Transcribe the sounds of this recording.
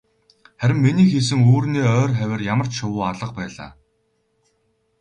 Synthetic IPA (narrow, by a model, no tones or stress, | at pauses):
χæɾʲɪ̆mːiniːxis̬ɘ̆ŋoːrniːœːrχæwʲɪ̆rjamə̆r̥t͡ɕʃʊwʊːaɮə̆q̚pæːɮa̰ː